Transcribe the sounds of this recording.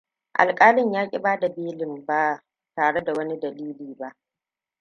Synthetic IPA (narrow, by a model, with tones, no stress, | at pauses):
ʔa̰˨lkʼaː˦lɪ˦˨ɲjaː˦kʲʼɪ˦baː˦da˨beː˦lɪ˨mba˦ | taː˨ɽe˦da˨wɐ˦ni˦dɐ˨liː˦liː˨ba˦ʔ